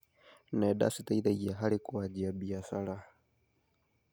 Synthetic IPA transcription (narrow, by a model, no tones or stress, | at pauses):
nɛɗa̰sitaiðaijaɦalikuad͡ʒiabiasalah